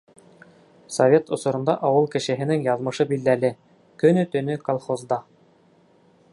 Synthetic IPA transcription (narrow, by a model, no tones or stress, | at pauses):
sovʲet̪ŏsŏɾɤ̆nd̪ɑʔɑwɤlˠkɘ̆ʃɘ̆ɦɘ̆nɘŋjɑðmɤ̆ʃɤbild̪ælɘ | kɵ̆nɵt̪ɵ̆nɵkolˠχozd̪ɑ